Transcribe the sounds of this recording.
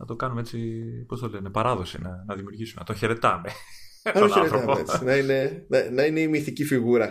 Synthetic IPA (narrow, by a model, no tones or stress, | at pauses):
nɐt̪o̞kɐnumeet͡sipo̞st̪olenepɐɾɐðo̞sḭnɐnɐðimiuɾʝisumenɐt̪õçe̞ɾe̞t̪ɐme̞ | nɐt̪õçeɾet̪ɾoɐmeḛt͡si̥nɐine̞nɐnɐineimiθicifiɣuɾɐ